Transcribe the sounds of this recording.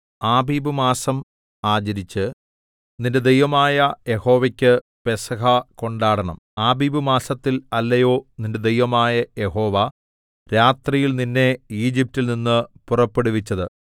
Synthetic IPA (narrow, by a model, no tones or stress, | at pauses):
aːbiːbɨmaːsɐm | aːd͡ʑɐɾit͡ɕːɨ | ninde̞d̪ejʋɐmaːjɐje̞ho̞ːʋɐkʲːɨ | pe̞sɐɦɐko̞ɳɖaːɽɐɳɐ̰maːbiːbɨmaːsɐt̪ːilɐlːɐjo̞ːninde̞d̪ejʋɐmaːjɐje̞ɦo̞ːʋɐ | ɾaːt̪rijilninːe̞iːd͡ʑip̚tːilninːɨpurɐpːe̞ɽuʋit͡ɕːɐðɨ